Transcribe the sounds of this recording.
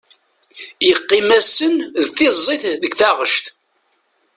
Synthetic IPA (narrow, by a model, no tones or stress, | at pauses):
jəqːimæsənðθɪzˤːiθðəɡθaʁəʃt̪